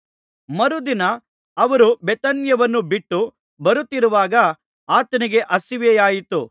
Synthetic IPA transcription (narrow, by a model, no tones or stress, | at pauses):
mɐɾud̪inɐː | ʋɐɾubɛt̪ɐnjɐʋɐnːubiʈːu | bɐɾut̪ːiɾuʋaːɡɐ | aːt̪ɐniɡe̞ʔɐsiʋɛjaːjit̪u